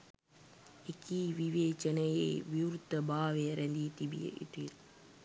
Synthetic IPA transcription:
ekiːʋiʋeːt͡ʃənəjḛːʋiwɾut̪ːəbaːʋejəɾænd̪iːt̪ibḭjə̰ʔḭʈ̪iɾ

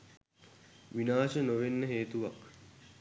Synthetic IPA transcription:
ʋinaːʃənoʋenːəɦeːt̪uʋak

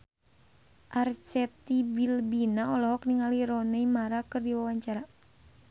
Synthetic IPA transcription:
ʔart͡ʃɛt̪ibilbinaɔlɔɦɔk̚niŋaliɾɔnɛimaɾakɨrdiwawaɲt͡ʃaɾa

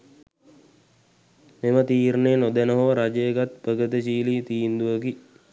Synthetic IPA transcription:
memət̪iːɾnenod̪ənəɦoɾad͡ʒəeɡat̪̚pəɡət̪əɕiːliːt̪iːnd̪uʋəki

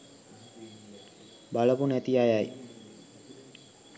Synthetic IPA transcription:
baləpunæt̪iajaj

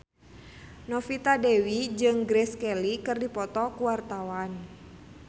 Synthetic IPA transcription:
nɔfit̪adɛwid͡ʒɨŋɡɾɛskɛlikɨrdipɔt̪ɔkuwart̪awan

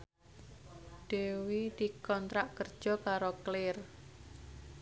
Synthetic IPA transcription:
ɖ̥ewid̪̥i̤kɔnt̪ɾaʔkərd̥ʒ̥ɔ̤kaɾoklɪr

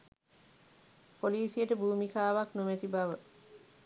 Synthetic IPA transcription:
poliːsijəʈəbuːmikaːʋaknomæt̪ibaʋə

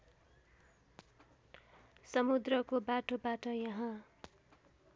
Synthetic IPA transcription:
sʌmud̪rʌkobaʈobaʈʌjʌɦã

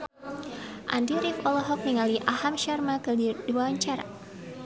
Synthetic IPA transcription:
ʔa̰ndiɾifɔlɔɦɔk̚niŋaliʔahamʃarmakɨdiduaɲt͡ʃaɾa̰

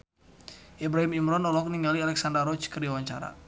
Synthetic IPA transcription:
ʔɛbɾaɦimimɾɔnɔlɔk̚niŋɡalialɛksandaɾɔt͡ʃkəriawaɲt͡ʃa̰ɾa̰

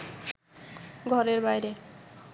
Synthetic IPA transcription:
ɡʱɔɾeɾbajɾe

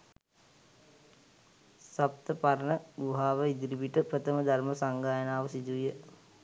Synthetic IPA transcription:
sap̚t̪əpaɾənəɡuɦaːʋəid̪iɾibiʈəpɾət̪əməd̪arməsaŋɡaːjənaːʋəsid̪ujə

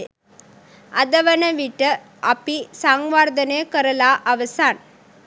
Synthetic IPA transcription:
ʔɐd̪ɐʋɐnɐʋiʈːɐ | ʔɐpːisaːŋɡʋaːɾd̪ɐneːkɐɾɐlaːʔɐʋɐsaːn

